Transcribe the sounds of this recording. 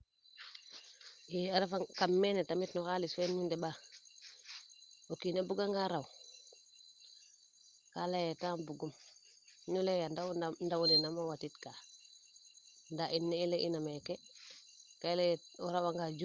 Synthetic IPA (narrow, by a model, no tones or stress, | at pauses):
jiaɾefaŋkamːenetamitnɔxalisfɛnmindɛba | okinebuɡaŋɡaɾaw | kalajetaːmbuɡum | nulejandandawulenamowatitka | ndaʔinːeileʔinameke | kaileɔɾawaŋɡad͡ʒu